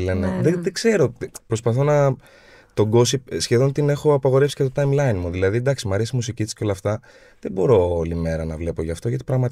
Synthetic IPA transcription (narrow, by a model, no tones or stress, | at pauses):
leneðeðeɡze̞ɾo̞t̪ipɾo̞spɐθo̞nɐ | t̪o̞ɡo̞sipsçe̞ðo̞nt̪ine̞xo̞ɐpɐɣo̞ɾe̞fsi̥cet̪ot̪ɐjmlɐjnmuðilɐðid̪ɐksimɐɾesimusicit̪i̥sceo̞lɐft̪ɐ | ðebo̞ɾo̞olime̞ɾɐnɐvle̞po̞ʝɐft̪o̞ʝɐt̪ipɾɐɣmɐt̪